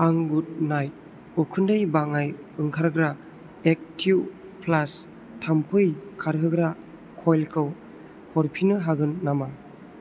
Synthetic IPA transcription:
aŋɡud̚najt̚ | ɔkʰɯndajbaŋaj | ɯŋkʰaɾɡɾa | ek̚tʰiw | pʰlas | tʰampʰɯjkʰaɾɦɯɡɾa | kʰɔjlkʰɯw | hʰɔɾpʰinɯɦaɡɯnːama

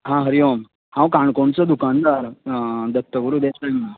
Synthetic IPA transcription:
ɦãɦəɾijom | hãwkãɳkoɳt͡sɔd̪ukand̪aɾd̪ət̪ːəɡuɾud̪esɾajma

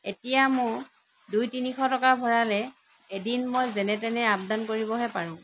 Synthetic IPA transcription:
etijamʊɹ | dujtinixɔtɔkabʱɔɹalɛ | edinmojzɛnɛtɛnɛab̚dankoɹibɔɦɛpaɹʊ̃

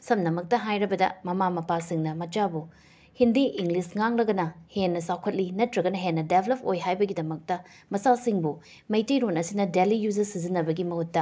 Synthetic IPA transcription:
sɐmnɐmɐk̚tɐɦajɾɐbɐdɐ̰mɐmamɐpasiŋnɐmɐt͡ʃabu | hindiʔiŋlisŋaŋlɐɡɐnɐhenːɐsawkʰɐt̚linɐtɾɐɡɐnɐɦenːɐdebʰlop̚ojɦajbɐɡidɐmɐk̚tɐ | mɐsasiŋbu | mɐjtijɾonɐsinɐdelijuzɐsizinːɐbɐɡimɐhutːɐ

